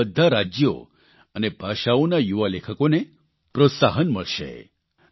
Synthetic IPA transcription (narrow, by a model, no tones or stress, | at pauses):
əd̪ʱːaɾad͡ʒjo̰ | ənebʱaʃaonajuʋalekʰəkone | pɾot̪saɦənməɭʃḛ